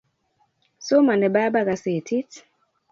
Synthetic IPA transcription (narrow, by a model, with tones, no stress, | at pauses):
so˦ma˨ndɛ˨ba˦ba˦ɣa˨se˨tʰi˦t